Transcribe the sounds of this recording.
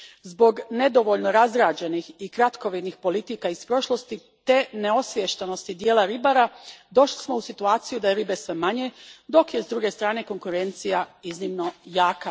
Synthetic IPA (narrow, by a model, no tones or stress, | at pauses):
zbo̞ɡne̞d̪o̞ʋo̞ʎno̞ɾazɾaːd͡ʑe̞nixikɾat̪koʋid̪nixpo̞lit̪ikaispɾo̞ʃlˠo̞st̪i | t̪eneo̞sʋjeʃt̪eno̞st̪id̪jeːlaɾibaɾad̪o̞ʃlismo̞usit̪uaːt̪sijud̪ajeɾibesʋemaɲe̞d̪o̞kje̞zd̪ɾuɡe̞st̪ɾaːne̞ko̞ŋkuɾe̞nt̪sijaiznimno̞jaːka